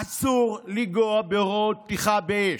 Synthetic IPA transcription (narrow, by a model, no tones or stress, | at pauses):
asuʁliɡoabeʁot̪iχabeeʃ